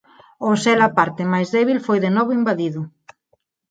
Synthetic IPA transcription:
osɛlapaɾt̪ɪmajzðɛβilfojðenɔβʊimbaðiðʊ

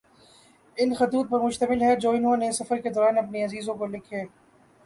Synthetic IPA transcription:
ɪnxɐt̪uːt̪̚pɐɾmʊʃt̪əmɪlɦɛd͡ʒoːɪnɦõnesɐfəɾked̪ɔːɾaːnɐpniɐziːzõkolɪkʰeː

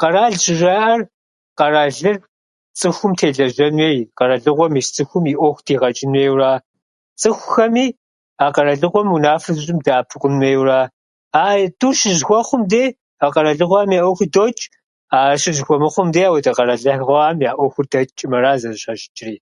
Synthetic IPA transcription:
qɐraːɮʒɪʒaːʔɐr | qɐraːɮɨr | t͡sʼɨxʷʊmtʰeːɮɐʒɐnweːqɐɾɐɮɨqʷɔmiːst͡sʼɨxʷʊmiːʔʷɔːxʷtʰiːʁɐt͡ʃʼɪnweːwraː | t͡sʼɨxʷxɐmiː | aːqɐɾɐɮɨqʷɔmunaːfɨrzɨɕʼɪmdaaːpʰɨqʷʊnweːjwraː | aːjduːʃɪʒxʷɔχʷʊmdeː | aqɐɾɐɮɨʁʷaːmjaːʔʷɔxʷʊdoːt͡ʃʼ | aːɕɪʒxʷɔmɨχʷʊmdeːaːwɐdɐqɐɾɐɮɐħʁʷɔaːmjaːʔʷɔxʷʊrdɐt͡ʃʼɪmɐɾaːzɐzɕɐʒɪt͡ʃʼɪriː

